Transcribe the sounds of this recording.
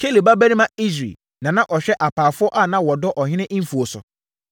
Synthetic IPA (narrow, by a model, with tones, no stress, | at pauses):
kʰe˦li˨ba˦bæ˦ɾi˦mã˦i˦s̬ɾḛ˨ | nã˨nã˦ʔɔ˨ɕᶣɛ˦ʔa˨pʰaː˨fʊ˦ɔ˦ʔa˦˨nã˦wɔ˨dɔ˦ʔɔ˨ɦɪ̃˦nɪ̃˦ʔm̩˦fu˨o˨sʊ̰˨